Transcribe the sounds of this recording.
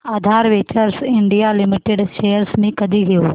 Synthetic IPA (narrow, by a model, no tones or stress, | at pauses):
aːd̪ʱaːɾʋeːt͡ɕəɾsɪɳɖijalɪmɪʈeɖʃejəɾsmẽkɐd̪ʱiɦijoː